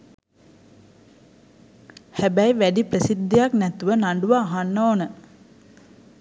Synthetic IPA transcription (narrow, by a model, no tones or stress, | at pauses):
hæbæjʋæɖiprəsid̪ːejaknæt̪uʋənaɳɖuʋaːɦanːoːnə